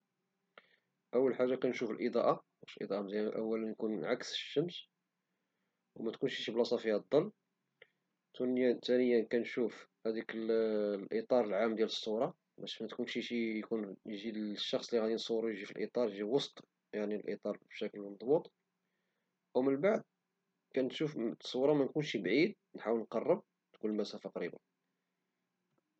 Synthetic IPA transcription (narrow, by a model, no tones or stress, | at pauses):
ʔəwːəlħaʒːakænʃufəlʔəd̪ˤɑʔa | æʃlʔḭd̪ˤɑʔɑmd̪ʔə̰wːælənjkunʕaksʃːəms | wmæt̪kunʃiʃiblɑsˤɑfəjːæd̪ˤːɑlː | t̪unjæt̪ænəjːəkænʃufhæd̪ikəllʔit̪ˤɑɾˤəlʕamːd̪jæləsˤːʊɾˤɑ | bæʃmæt̪kunʃiʃijkunjʒid̪ʃːɑxsˤliɣæd̪insˤuwːɾujʒifilʔḭt̪ˤɑɾˤjʒiwɑst̪ˤ | jaʕnilʔit̪ˤɑɾˤbʃækəlmɑd̪ˤbut̪ˤ | ʔwmənbaʕd̪̚ | kænʃufsˤːuwɾˤɑmænkunʃibʕid̪ | nħawəlnqɑrˤːəb̚ | d̪kunləlmæsæfaqɾiba̰